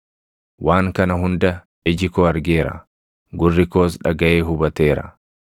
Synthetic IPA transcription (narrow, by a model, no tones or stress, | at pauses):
waːŋkɐnɐɦʊnd̪ɐ | ɪd͡ʒɪkoːɐɾɡeːɾɐ̰ | ɡʊrːɪko̞ːs̬ᶑɐɡɐʔeːɦʊbɐt̪e̞ːɾɐ̰